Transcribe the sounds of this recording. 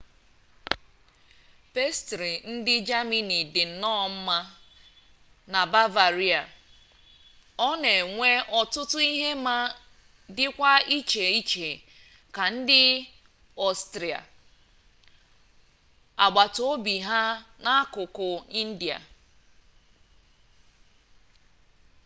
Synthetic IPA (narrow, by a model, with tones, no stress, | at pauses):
pe˦stɾi˨n̩˦dɪ˦d͡ʒa˦mi˦ni˨dɪ˨n̩˨nɔ˦˨m̩˦ma˦ | na˨ba˦va˨ɾi˦a˨ | ɔ˦ne˨ŋʷe˦ʔɔ˨tʊ˦tʊ˦i˦ɦe˦ma˦ | dɪ˦kʷa˦i˦t͡ʃe˨i˦t͡ʃe˨ | ka˨n̩˦dɪ˦ | ɔ˦stɾi˨a̰˨ | a̰˨ɡ͡ba˨to˦o˦bi˨ɦa˦na˦kʊ˨kʊ˨i˦n̩˦di˨a̰˨